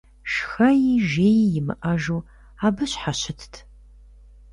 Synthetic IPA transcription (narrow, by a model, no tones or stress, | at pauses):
ʃxɐjiʒeːjijɪmɨ̰ʔɐʒuː | aːbɨɕħaɕɪtʰtʰ